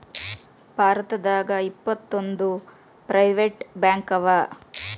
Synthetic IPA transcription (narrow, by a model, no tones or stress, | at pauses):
b̥ʱaːɾɐt̪ɐd̪aːɡɐipːɐt̪ːond̪u | pɾʔɐjʋeʈbjaːŋkɐʋɐ